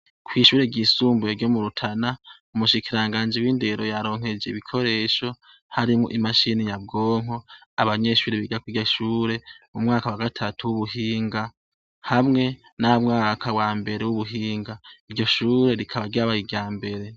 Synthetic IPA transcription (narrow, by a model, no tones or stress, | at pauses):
kʰwiːʃuːɾeɟiːsuːmbujeɾɟo̞muɾutʰana | umuʃikiɾaŋɡaːnd͡ʒiwiːnde̞ɾo̞jaɾo̞ːŋ̥he̞d͡ʒeiβikʰo̞ɾe̞ːʃo̞ | haɾimŋo̰ʔimaʃinijabɡoːŋo̞aβaɲe̞ʃuːɾeβiɡakwiɟoʃuːɾe̞mumŋaːkawaɡatʰatʰuwuβuɦiːŋɡa | hamŋe̞ | namŋaːkʰawaːmbe̞ɾewuβuɦiːŋɡaiɾɟo̞ʃuːɾe̞ɾikʰaβaɡiaβaiɡɟaːmbe̞ɾe̞